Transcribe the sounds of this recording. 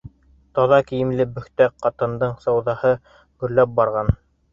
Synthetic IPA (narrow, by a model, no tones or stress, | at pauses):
t̪ɑðɑkĭjɘ̆mlɘbɵ̆xt̪æqɑt̪ɤ̆nd̪ɤɴsɑwðɑhɤ | ɡɵ̆ɾlæp̚bɑɾʁɑn